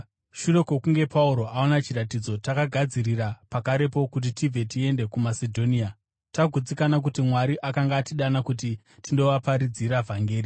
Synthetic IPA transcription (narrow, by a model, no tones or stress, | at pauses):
ʃure̞ko̞kuŋɡe̞pʰauɾo̞ʔao̞nat͡ʃiɾatid͡zo̞takaɡʱad͡ziɾirapakaɾe̞po̞kut̬itivʱe̞tie̞nde̞kumasedʱo̞nia | taɡʱud͡zikanak̬utimwaɾiʔakaŋɡaːtiɗanakuti | tindo̞ʋapaɾid͡ziɾavʱaŋɡeːɾi